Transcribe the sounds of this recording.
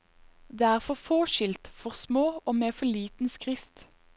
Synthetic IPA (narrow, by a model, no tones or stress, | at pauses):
d̪eeːæːʁfɔʁfoːʃɪlt̪fɔʁsmoːoːmeːfɔliːt̪n̩skʁɪft̪